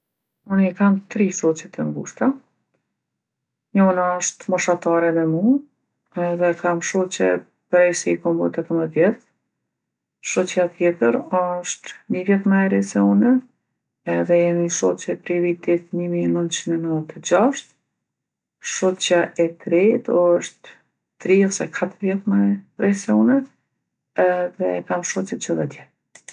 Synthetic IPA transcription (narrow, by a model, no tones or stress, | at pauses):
ɔnikamt̪ɾiʃɔt͡ɕɛt̪ʰəmɡuʃt̪a | ɲɔnaɔʃt̪mɔʃat̪aɾɛmɛmu | ɛðɛkamʃɔt͡ɕɛ̰ | pɾɛsikɔmbɔ̰t̪ɛkəməðjɛθ | ʃɔt͡ɕjat̪jɛt̪əɾɔʃt̪nivjɛθmɛɛɾɛsiɔnɛ | ɛðɛjɛmiʃɔt͡ɕɛpɾivit̪it̪ɲimiɛnənt̪t͡ʃinɛnət̪əd͡ʑaʃt̪̚ | ʃɔt͡ɕaʔɛt̪ɾɛt̪ʃt̪ː | ɾiɔsɛkʰat̪əɾvjɛθmɛrɛsɛɔnɛ | ɛðɛkamʃɔt͡ʃɛt͡ʃəðɛt̪jɛ